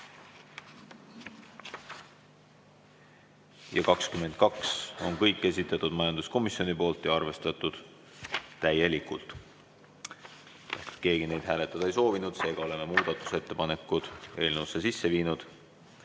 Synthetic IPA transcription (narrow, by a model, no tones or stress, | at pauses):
jɑ̰kɑkskyme̞nt̪̚kɑkso̞nkɤjkˑːe̞sʲit̪ːˑɑt̪ːˑud̪̥mɑjɑnd̪usko̞misjo̞nipo̞ːlt̪jɑɑrve̞st̪ɑt̪ˑud̪̥ | t̪æje̞likːˑult̪ˑ | et̪ke̞ːɡ̥ine̞jd̪̥ɦæːle̞t̪ːˑɑd̪ɑejso̞ːvinud̪̥se̞ːɡ̥ɑo̞le̞me̞muːd̪̥ɑt̪ːˑu̥se̞t̪ːe̞pɑne̞kːˑud̪̥e̞ːlneusːesisːe̞viːnud̪̥